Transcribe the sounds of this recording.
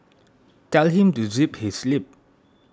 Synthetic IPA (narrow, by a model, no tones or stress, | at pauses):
tɛlɦĩmtuziphislip̚